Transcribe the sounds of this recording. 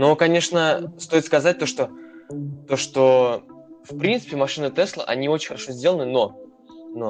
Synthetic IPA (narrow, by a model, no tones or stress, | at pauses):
nokɐnʲe̞ʂnəst̪o̞ɪt̪skɐzat̚ʲt̪o̞ʂt̪o | t̪o̞ʂt̪o | fpɾʲint̪sɨ̥pʲɪmɐʂɨnɨt̪ɛslˠə̰ʔɐnʲio̞t͡ɕɪn̥ʲxəɾɐʂo̞zʲdʲe̞lˠənɨno̞ | no